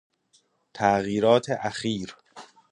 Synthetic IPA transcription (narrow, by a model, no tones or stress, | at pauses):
t̪ʰæʔɣiːɾɒːt̪ʰeʔæxiːɾ